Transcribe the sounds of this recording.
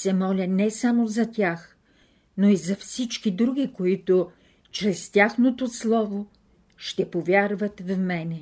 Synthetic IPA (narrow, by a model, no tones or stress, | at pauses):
sɛmɔlʲənɛsamozɐt̪ʲax | noizɐfsit͡ʃkid̪ɾuɡikoit̪o | t͡ʃɾɛst̪ʲaxnot̪oslˠɔvo | ʃt̪ɛpovʲjaɾvɐt̪vmɛnɛ